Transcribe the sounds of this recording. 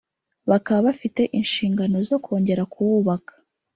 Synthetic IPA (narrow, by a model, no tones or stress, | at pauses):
βakaβaβafite̞ʔinʃiːŋɡano̞zo̞kʰo̞ːɲɟe̞ɾakʰuβuβakḁ